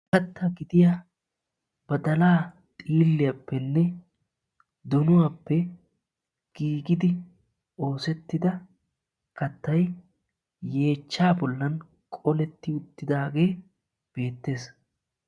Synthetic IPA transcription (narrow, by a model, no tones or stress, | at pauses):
kɐt̪ːɐɡɪd̪ɪja | b̥ɐd̪ɐlaː | t̪ʼiːlːɪjɐpːɛnːɛ | d̪ʊnʊwapːɛ | ɡ̥iːɡɪd̪ɪ | o̞ːsɛt̪ːɪd̪ɐ | kɐt̪ːɐj | je̞ːt͡ʃːaːbɔlːɐn | kʼɔlɛt̪ːɪʊt̪ːɪd̪aːɡe̞ː | b̥e̞ːt̪ːe̞ːs